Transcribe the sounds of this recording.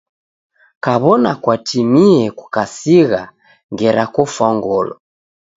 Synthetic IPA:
kaβɔnakwatʰimiɛkukasiɣa | ŋɡɛɾakɔfaŋɡɔlɔ̰

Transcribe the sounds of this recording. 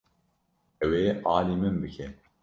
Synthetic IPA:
ɛweːʔaːlimɨmbɨkʰɛ

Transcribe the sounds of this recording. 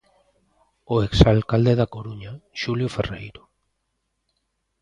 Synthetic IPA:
oeksalkald̪eðakoɾuɲaʃuljoferḛjɾo̥

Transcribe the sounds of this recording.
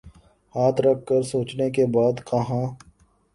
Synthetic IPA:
haːt̪ʰɾɐk̚ʰːəɾsoːt͡ʃnekebaːd̪kɐɦãː

